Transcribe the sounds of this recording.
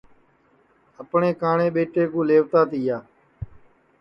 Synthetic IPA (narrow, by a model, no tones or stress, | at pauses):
əpɳeːkaːɳeːɓeːʈeːkũːleːʋt̪aːt̪iːjaː